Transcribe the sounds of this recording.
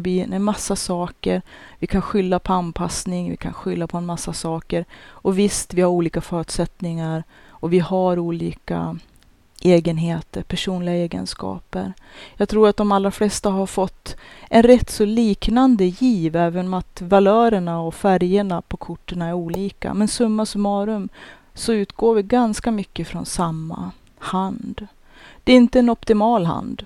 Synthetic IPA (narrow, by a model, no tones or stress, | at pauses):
bɪnɛmasːasɑːkəɾvɪkʰanɧʏlːapʰɔanpʰasnɪŋvɪ̰kʰa̰nɧʏlːapʰɔɛnmasːasɑːkəɾɔvɪst̪vɪhaɾuːliːkafœːɾʉt̪sɛt̪nɪŋaɾ | ɔvɪhaɾuːlḭːka̰ | ʔeːɡənɦeːt̪əɾpʰæʂuːnlɪɡaeːɡə̰nskɑ̰ːpə̰ɾjɑɡt̪ʰɾuːɾat̪̚d̪ɔmalːɾaflɛst̪aɦaɾfɔt̪ːʔɛnɾɛt̪ːsɔliːknand̪əjiːvɛːvənɔmat̪valœːɾəɳaɔfæɾjəɳapʰɔkʰʊʈːəɳaɛɾuːliːka̰mɛnsɵmːasmɑːɾɵm | sɔʉ̟ːt̪ɡoːɾvɪɡanskamʏkːəfɾɔ̰nsamːa̰ | hand̪ | d̪̥ɛɾɪnt̪əɛnɔpt̪ɪmɑːlɦa̰nd̪